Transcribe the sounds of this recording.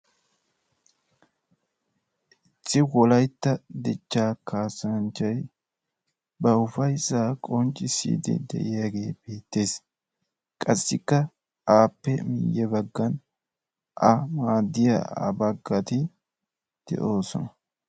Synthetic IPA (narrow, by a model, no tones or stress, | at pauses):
ʔɪt͡sːɪwɔlɐjt̪ːɐd̪ɪt͡ʃːaːkaːsɐnt͡ʃːɐj | bɐʊfɐjsːaːkʼɔnt͡ʃʼːɪsḭːd̪ɪ̰d̪ɛ̰ʔɪjaɡe̞ːb̥e̞ːt̪ːe̞ːs | kʼɐsːɪkːɐ | aːpːɛmɪ̰jːɛbɐɡːɐn | ʔɐmaːd̪ːɪja̰ɐ̰bɐɡːɐt̪ɪ | d̪̥ɛ̰ʔo̞ːsɔnɐ